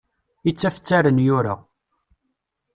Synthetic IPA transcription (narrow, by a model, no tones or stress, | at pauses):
it͡sːæfə̥t͡sːæɾənjʊɾa̰